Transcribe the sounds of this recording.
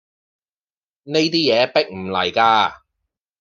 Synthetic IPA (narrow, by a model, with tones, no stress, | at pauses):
ne˥jt̪iː˥jɛː˨˧pɪ˥k̚m̩˨˩lɐ̰˨˩jkaː˧